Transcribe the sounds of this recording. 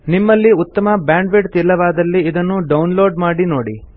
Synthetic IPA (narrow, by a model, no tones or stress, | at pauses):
nimːɐlːiut̪ːɐmɐbaːɳɖʋeɖt̪ilːɐʋaːd̪ɐlːiːd̪ɐnːuɖɐwnlo̞ːɖmaːɽino̞ːɽḭ